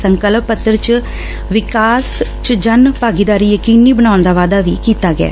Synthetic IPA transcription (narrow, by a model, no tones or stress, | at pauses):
səŋkəlppːət̪ːəɾt͡ʃ | ʋɪkaːst͡ʃd͡ʒənpaːɡid̪aːɾiːjəkiːnːiːbənãːʊ̃nd̪aːʋaːd̪aːʋḭːkiːt̪aːɡɪa̰ː